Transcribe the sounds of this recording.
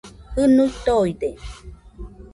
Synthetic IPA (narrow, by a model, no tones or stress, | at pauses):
hɨnut̪oide